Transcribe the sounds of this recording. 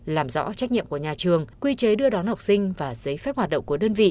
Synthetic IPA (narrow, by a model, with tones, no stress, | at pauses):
laː˨˩mzɔ̰˧˥t͡ɕa˦˥k̚ɲḭ˧˨əmku˧˩əɲaː˨˩t͡ɕɨ˨˩əŋkwi˧t͡ɕəː˨˦jɗɨ˧əɗɔa˨˦nha˨˩wk͡p̚sï˧ŋ̟vaː˨˩z̥ə˨˦jfɛ˦˥p̚hwaː˨˩t̚ɗə̰˧˨wŋ͡mku˧˩əɗəː˧nvḭ˧˨